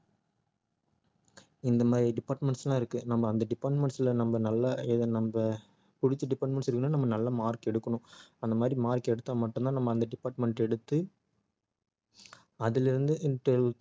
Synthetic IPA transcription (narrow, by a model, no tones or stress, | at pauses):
ɪnd̪ɐmaːd̪ɾiɖɪpːaːɾʈmɛɳʈslãːɪɾɯkːɯnɐmbɐːnd̪ɐɖɪpaːɾʈmɛɳʈsɪlɐnɐmbɐnɐlːɐɛðɐnɐmbɐ | pʊɽɪt͡ʃːɐɖɪpaːɾʈmɛɳʈsɪɾɯkːɯnːaːnɐmːɐnɐlːɐmaːɾkɛɽɯkːɐɳʊ̃ɐnd̪ɐmaːd̪ɾimaːɾkɛɽɯt̪ːaːmɐʈːɯnt̪ãːnɐmːɐːnd̪ɐɖɪpːaːɾʈmɛɳʈɛɽɯt̪ːɯ | ɐðɪlɪɾɯnd̪ɯʔɪnʈɐɭ